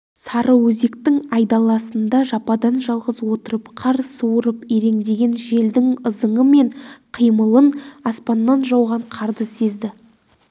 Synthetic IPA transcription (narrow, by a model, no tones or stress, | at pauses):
sɑɾʔəwɵze̞kt̪ɪŋɑjd̪ɑlˠɑsənd̪ɑʒɑpɑd̪ɑnʒɑlˠʁəzwo̞t̪əɾəpqʰɑɾsuwəɾəpeɾe̞ŋd̪e̞ɡʲe̞nʒe̞ld̪ɪŋəzəɴəme̞ɴqʰijməlˠənɑspɑnːɑnʒɑwʁɑɴqʰɑɾd̪əse̞zd̪ɪ